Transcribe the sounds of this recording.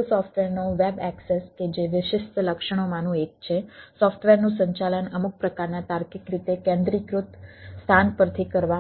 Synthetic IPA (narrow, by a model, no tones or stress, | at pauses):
usɔfʈʋeɾnoʋɛbɛksesked͡ʒeʋɪʃɪʃt̪ələkʃəɳ̃omãnũek̚t͡ʃʰesɔfʈʰʋeɾnũsəɲt͡ʃalənəmuk̚pɾəkaɾnat̪aɾkikɾit̪ekɛ̃nd̪ɾikɾut̪st̪ʰanpəɾt̪ʰikəɾʋa